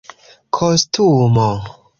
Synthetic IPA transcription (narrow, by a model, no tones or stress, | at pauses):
kʰostumo